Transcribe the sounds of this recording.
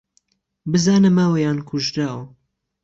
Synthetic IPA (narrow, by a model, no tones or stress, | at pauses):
bɨzaːnɨmaːwɐjaːnkʰuʒɾaːwɐ